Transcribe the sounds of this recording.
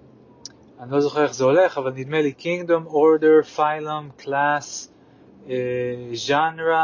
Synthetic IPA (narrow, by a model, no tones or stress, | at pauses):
anilozoχeɾeχzɛoleχavalnid̪melikiŋɡdomoɹdəɹfaɪləmkʰlas | ʒanɾa